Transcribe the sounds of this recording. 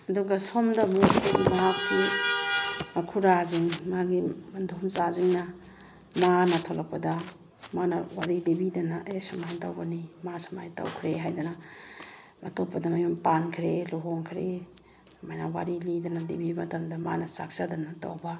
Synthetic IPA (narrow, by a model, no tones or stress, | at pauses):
ɐduɡɐsomdɐbukajɡimɐɦakːi | mɐkʰuɾaziŋmaɡimɐndʱumsaziŋnɐ | manɐtʰolɐk̚pɐdɐ | manɐwaɾilibidɐnɐʔesɐmajtawbɐnimasama̰jta̰wkʰɾeɦajdɐnɐ | mɐtopːɐdɐmɐjompankʰɾeloɦoŋkʰɾe | majnawa̰ɾilidɐnɐlḭbimɐtɐmdɐma̰nɐsa̰k̚sadɐnɐta̰wbɐ